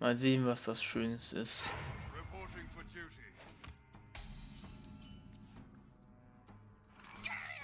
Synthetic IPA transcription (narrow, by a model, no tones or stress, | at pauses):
mazeːənvaːsd̥asʃøːnstɪ̰sɹɪpʰɔːˑtɪ̃ŋfədjʉːti